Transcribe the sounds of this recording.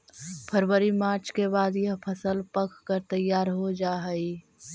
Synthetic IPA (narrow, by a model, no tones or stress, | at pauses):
pʰəɾwəɾimaːɾt͡ʃkebaːd̪jpʰəsəlpəkʰkəɾt̪əjːaːɾɦod͡ʒaːɦəi